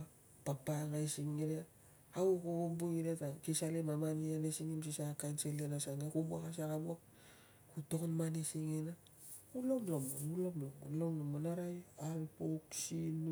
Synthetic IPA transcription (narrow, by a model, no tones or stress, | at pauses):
papaŋaesiŋːiɾe | aukobombuŋiɾetakisalemamanianesiŋims̬isaakajnselenasanekubuakasakabuak̚ | kuto̞konmanesiŋena | kulo̞mlomonulo̞mlomonloŋlomonaɾajalpoksin